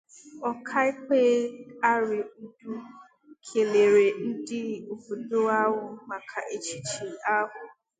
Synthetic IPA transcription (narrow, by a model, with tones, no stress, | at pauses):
ɔ˦kʰa˦ɪ˦keː˦a˦ɾɪ˨n̩˦˨du˦ | kʰe˨le˨ɾe˨n̩˦dɪ˦o˨bu˨do˦a˦ɦʊ˦ma˨kʰa˨ʔe˦t͡ʃi˦t͡ʃi˨a˦ɦʊ˦